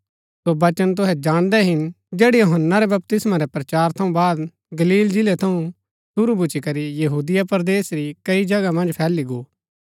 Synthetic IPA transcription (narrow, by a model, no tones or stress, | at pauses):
sobɐt͡ʃənt̪̬ʊɦɛd͡ʒaːɽ̃d̪ɛɦɪn | d͡ʒeːɽɛjoɦənːaɾɛbɐp̚t̪ɪsmaɾɛpɾɐt͡ʃaːɾt̪ʰɐũbaːd̪ | ɡɐliːld͡ʒɪlɛt̪ʰɐũ | sʊɾubʊt͡ʃikɐɾijɐɦuːd̪ɪjapɾd̪eːsɾikɐid͡ʒɐɡamɐ̃nd͡ʒpʰɛːliɡoː